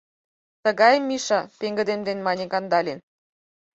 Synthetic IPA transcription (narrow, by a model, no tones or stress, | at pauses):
t̪ə̆ɣɑjmːiʃɑpeŋɡə̆d̪emd̪enmɑnʲekɑnd̪ɑlʲen